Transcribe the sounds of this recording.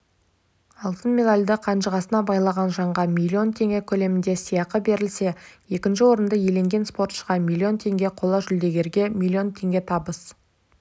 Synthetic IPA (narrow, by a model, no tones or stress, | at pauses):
ɑlˠt̪ənmʲe̞d̪alʲd̪ɪqʰɑnʃəʁɑsənɑbɑjlˠɑʁɑnʒɑɴʁɑmʲilʲːio̞nt̪ʰe̞ŋɡʲe̞kʲʰɵle̞mɪnd̪e̞sijɑqəbe̞ɾɪlse̞je̞kʲɪnʃ̬ɪwo̞ɾənd̪əje̞le̞ŋɡʲe̞nspo̞rt̪ʃəʁɑmʲilʲːio̞nt̪ʰe̞ŋɡʲe̞qʰo̞lˠɑʒʏld̪e̞ɡʲe̞ɾɡʲe̞mʲilʲˠːio̞nt̪ʰe̞ŋɡʲe̞t̪ʰɑbəs